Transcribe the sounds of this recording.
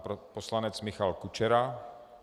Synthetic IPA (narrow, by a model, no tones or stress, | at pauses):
poslanɛt͡smɪxalkut͡ʃɛɾa